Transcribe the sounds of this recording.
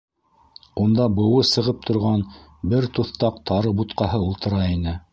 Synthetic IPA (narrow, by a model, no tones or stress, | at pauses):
und̪ɑbɤ̆wɤsɤ̆ʁɤp̚t̪ʰŏɾʁɑnbɘɾt̪uθt̪ɑq̚t̪ʰɑɾɤbut̪qɑɦɤulˠt̪ɤ̆ɾɑinɘ